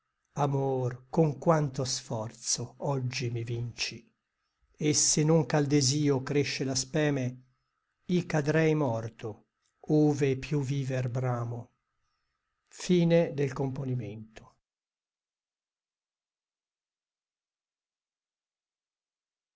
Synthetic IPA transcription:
amoːrkoŋkwant̪osfɔrt̪soɔd͡ʒːimivint͡ʃi | esenːʊŋkald̪eziːokɾeʃːelaspɛːme | ikad̪ɾɛjmɔrt̪o | oːvepjuviːverbɾaːmo | fiːned̪elkomponiment̪o̥

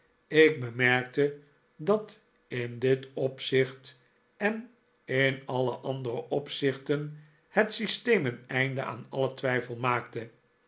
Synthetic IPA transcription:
ɪɡ̚bəmɛɹk̚tə | dɑt | ɪndɪtɔpsɪχt | ɛn | ɪnɑlˠə̰ʔɑndərəʔɔpsɪχtən | hətsistejmənɛjndə̰a̰ːnɑlətʋɛjfəlˠmaːktə

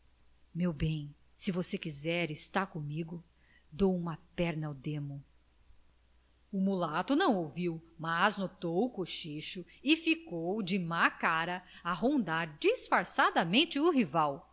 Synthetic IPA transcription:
mewbẽj̃ | sɪvosekizɛɾɪst̪aɾkõmiɡʊ | d̪owũmɐpɛɾnɐawd̪ẽmʊ | umulat̪ʊnɐ̃w̃oviwmaznot̪owʊkoʃiʃʊ | ɪfikowd͡ʒɪmakaɾɐɐɦõnd̪aɾd͡ʒisfaɾsad̪ɐmẽnt͡ʃɪuɦivaw

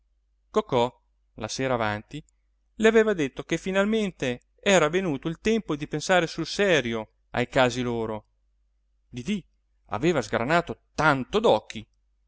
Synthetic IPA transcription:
kokːɔ | la̰seːɾaːvant̪i | leaveːvad̪et̪ːokefːinalment̪e | ɛːɾavenuːt̪oilt̪ɛmpod̪ipensaːɾesulsɛːɾjo | a̰jkaːziloːɾo | d̪id̪i | a̰veːvazɡɾa̰naːt̪ot̪ant̪od̪ɔkːi

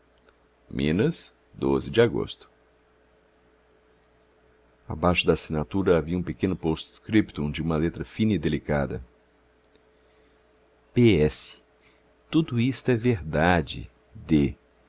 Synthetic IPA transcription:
mʔḭ̃nɐs | d̪o̰zɪd͡ʒɪaɡo̰st̪ʊ̥ | a̰bajʃʊd̪asinat̪uɾɐaviɐũpekẽnʊpostkɾipt̪ũd͡ʒɪũmɐlet̪ɾɐfĩnɐid̪elikad̪ɐ̰ | peɛsɪ̥ | t̪ud̪ʊist̪ʊɛveɾd̪ad͡ʒɪ̰ | d̪e

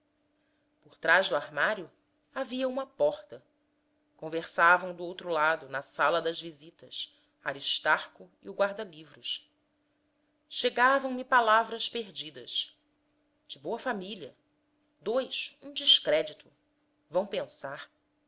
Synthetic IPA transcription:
pʊɾt̪ɾaʒd̪ʊaɾmaɾjʊ | aviɐũmɐpɔχt̪ɐ | kõveɾsavɐ̃w̃d̪ʊowt̪ɾʊlad̪ʊnɐsalɐd̪ɐzvizit̪ɐs | aɾiʃt̪aɾkʊ | ḭʊɡwaɾd̪ɐlivɾʊʃ | ʃeɡavɐ̃w̃mipalavɾɐspeɾd͡ʒid̪ɐʃ | d͡ʒɪboɐfamiliɐ | d̪ojʃũd͡ʒiʃkɾɛd͡ʒit̪ʊ | vɐ̃w̃pẽsaɾ

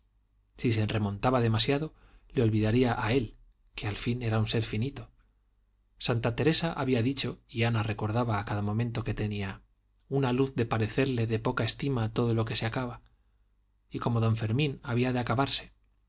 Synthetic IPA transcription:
sis̬e̞nre̞mõ̞nt̪aβaðe̞masjaðo̞ | leo̞lβiðaɾiaʔae̞l | kealfine̞ɾaunse̞ɾfinit̪o̞ | sant̪at̪e̞ɾe̞saʔaβiaðit͡ʃo̞ianare̞ko̞ɾðaβaːkaðamomẽ̞nt̪o̞ke̞t̪e̞nia | unaluθðe̞paɾe̞θeɾle̞ðe̞po̞kae̞st̪imat̪o̞ðo̞lo̞ke̞seakaβa | iko̞mo̞ð̞õ̞ɱfe̞ɾmĩnaβiaðeakaβaɾse̞̥

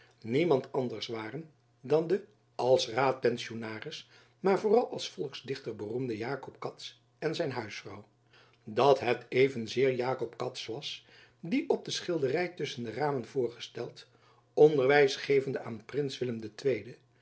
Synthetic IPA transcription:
nimɑntɑndəɹsʋaːrən | dɑndə | ʔɑlˠsraːt̚pɛnsionaːrɪs | maːɹvoːrɑlˠʔɑlˠsfɔlˠksdɪχtəɹbərumdəjaːkɔpkɑts | ɛnzɛjnɦœɥsfrɑ̰w | dɑtɦɛtejvənzɪːɹjaːkɔpkɑtsʋɑs | diʔɔb̚dəsχɪlˠdərɛjtʏsəndəraːmənvʊːɹχəstɛlˠt | ɔndəɹʋɛjsχejvəndəʔaːnprɪnsʋɪləmdətʋejdə

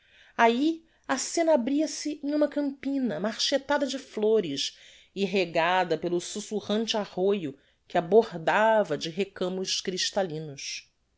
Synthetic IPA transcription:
ai | ɐsẽnɐabɾiɐsɪʔẽj̃ũmɐkɐ̃mpĩnɐmaɾʃet̪ad̪ɐd͡ʒɪfloɾɪʃ | iɦeɡad̪ɐpelʊsusuʁɐ̃nt͡ʃɪaʁojʊ | kɪaboɾd̪avɐd͡ʒɪɦekɐ̃mʊʃkɾiʃt̪alĩnʊs

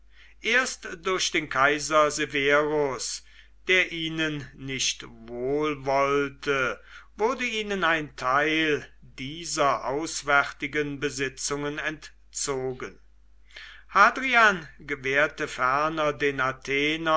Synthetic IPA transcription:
ʔeːɐstd̥ʊɐʃd̥eːnkʰaɪzɐzeveːʁʊs | d̥eːɐʔiːnənːɪʃtvoːlvɔltəvʊɐdəiːnənaɪntʰaɪldiːzɐʔaʊsv̥ɛʁtɪɡənbəzɪt͡sʊŋənɛnt | t͡soːɡən | haːdʁianɡəveːɐtəfɛɐnɐdeːnatʰeːnɐ

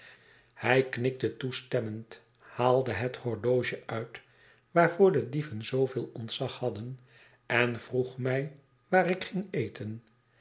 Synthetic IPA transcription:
hɛjknɪk̚tətustɛmənt | haːlˠdəɦəthɔɹdowʒəʔœɥt | ʋaːɹvʊːɹdədivənzowvɪːlˠɔntsɑχhɑdən | ʔɛnv̥ruχmɛj | ʋaːɾɪkχɪŋejtʰən

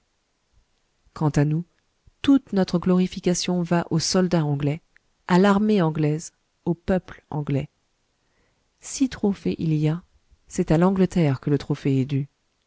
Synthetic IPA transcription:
kɑ̃t̪anu | t̪ut̪nɔt̪χəɡlɔʁifikʲasjɔ̃vaʔosɔld̪aɑ̃ɡlɛ | alaʁmeɑ̃ɡlɛz | opœplɑ̰̃ɡlɛ | sit̪χofɛʔilija | sɛt̪alɑ̃ɡlət̪ɛʁkələt̪χɔfɛɛd̪y

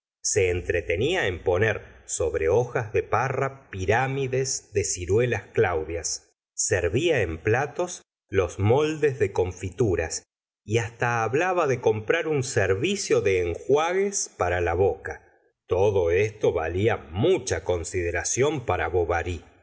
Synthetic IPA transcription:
se̞ːnt̪ɾet̪e̞niaempo̞neɾso̞βɾeoxazðe̞parapiɾamiðe̞sðe̞siɾwelasklawðjasː | eɾβiae̞mplat̪o̞s | lo̞zmo̞ld̪ezðe̞ko̞ɱfit̪uɾas | iast̪aːβlaβaðeko̞mpɾaɾunseɾβisjo̞ðeːŋxwaɣespaɾalaβoka | t̪oðo̞est̪o̞βa̰liamut͡ʃako̞nsiðeɾasjo̞mpaɾaβo̞βaɾi

